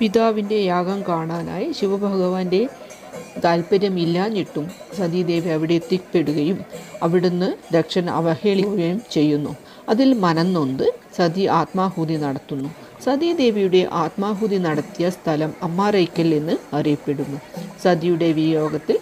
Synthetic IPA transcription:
pid̪aːʋinde̞jaːɡɐmkaːɳaːna̰ːjiɕiʋɐbʱɐɣɐʋaːnde̞ | ɡ̪aːlpɐɾjɐmilːaːnːiʈːumsɐd̪id̪e̞ːʋiɐʋiɽe̞t̪ːik̚pe̞ɽuɣɐjumɐʋiɽunːɨd̪ekʂɐnɐ̰ʋɐheːɭiojɐjumt͡ɕe̞jːunːu | ɐðilmɐnɐnːo̞nd̪ɨsɐd̪iʔaːt̪maːɦud̪inɐɽɐt̪ːunːu | sɐd̪id̪e̞ːʋijuɽe̞ʔaːt̪maːɦud̪inɐɽɐt̪ːijɐst̪ʰɐlɐmɐmːaːrejkʲːɐlenːɨɐrijɐpːe̞ɽunːusɐd̪ijuɽe̞ʋijo̞ːɡɐt̪ːil

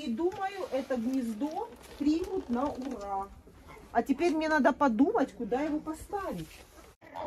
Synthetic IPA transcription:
ɪd̪uməjʊʔɛt̪əɡnʲɪzd̪opɾʲimʊt̪nɐʊra | ɐtʲɪpʲeɾʲmnʲenad̪əpɐd̪umətʲkʊd̪ajɪvopɐst̪avʲɪtʲ

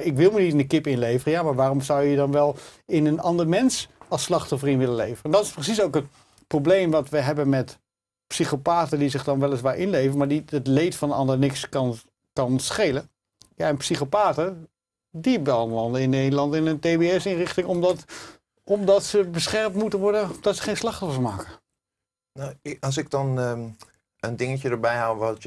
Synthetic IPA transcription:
ɪkʋɪlˠmənitɪndəkɪpɪnlejvərəjaːmaːɹʋaːrɔmzʌwjədɑnʋɛlˠɪnənɑndəɹmɛnsɑslɑχtɔfərinʋɪləlejvərəɛndɑtɪsprəs̬isowkɦət̚ | prowblejmʋɑtʋəɦɛbənmɛt | psiχopaːtədizɪχdɑnʋɛlˠɪs̬ʋaːɹʔɪnlejvənmaːɹdiətlejtfɑnənɑndəɹnɪkskɑn | kɑnsχejlə | ja̰ɛnpsiχopaːtə | dibɛlˠnlɑndəɪnːejdəlˠɑntɪnənteːbeɛsɪnrɪχtɪŋɔmdt | ɔmdɑtsəbəsχɛɹmtmutəʋɔɹdənɔmdɑtsə̥χejnslɑχtɔfəɹmaːkə | naɑs̬ɪk̚dɔn | əndɪŋəcədəɹbɛjɦalʋɔt

